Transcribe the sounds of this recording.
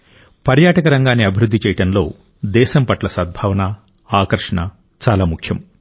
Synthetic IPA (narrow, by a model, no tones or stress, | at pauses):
pɐɾjaːʈɐkɐɾɐŋɡaːnːiɐbʱiɾud̪ːit͡ʃɛːjɐɽɐnlo̞ː | d̪ɛːʃɐmpɐʈlɐsɐd̪̚bʱɐːʋɐnɐ | aːkɐɾʂɐɳɐ | t͡ʃaːlaːmukʰjɐm